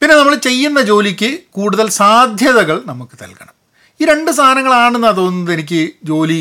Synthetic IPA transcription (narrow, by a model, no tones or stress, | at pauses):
pinːe̞nɐmːɐɭt͡ɕe̞jːunːɐd͡ʑo̞ːlikʲːɨkuːɽuðɐlsaːd̪ʱjɐðɐɣɐɭnɐmukːɨ̥t̪ɐ̰lkɐ̥ɳɐm | iːɾe̞ɳɖɨst̪ʰaːnɐŋːɐɭaːɳenːat̪oːnːɐðenik̬ʲːɨd͡ʑo̞ːli